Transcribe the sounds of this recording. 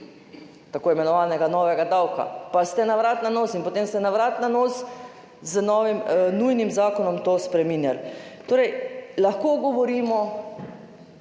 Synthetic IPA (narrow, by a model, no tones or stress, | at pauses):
t̪akoːimɛnɔʋaːnɛɡanɔːʋɛɡad̪awka̰past̪ɛnaʋɾaːt̪nanoːsinpot̪eːmst̪ɛnaʋɾaːt̪nanoːs | zənɔːʋimnujnimzaːkɔnɔmt̪oːspɾɛminjalt̪oːɾɛjlaxkoːɡɔʋɔɾiːmɔ